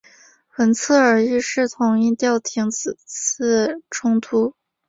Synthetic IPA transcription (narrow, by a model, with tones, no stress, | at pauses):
xə˧˥nt͡sʰɤ˥˩ə˞˨˩i˥˧ʂɻ̩˥˩t̪ʰʊ˧˥ŋi˥˧t̪jɑ˥˩ʊt̪ʰi˧˥ŋt͡sɹ̩˨˩t͡s̩ʰ˥˩ʈ͡ʂʰʊ˥ŋt̪ʰu˥